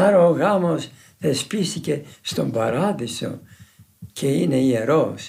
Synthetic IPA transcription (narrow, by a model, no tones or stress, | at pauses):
ɐɾooɣɐmo̞s | θe̞spist̪ice̞st̪o̞mbɐɾɐðiso̞̰ | cʰe̞ine̞ieɾo̞s